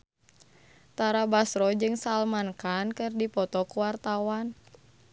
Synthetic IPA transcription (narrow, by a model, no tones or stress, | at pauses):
t̪aɾabasɾɔd͡ʒɨŋsalmankankɨrdipɔt̪ɔkuwart̪awan